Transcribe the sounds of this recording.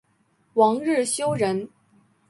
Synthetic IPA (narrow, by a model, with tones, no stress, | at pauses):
wɑ˧˥ŋɻɻ̩˥˩ɕjo˥ʊɻə˧˥n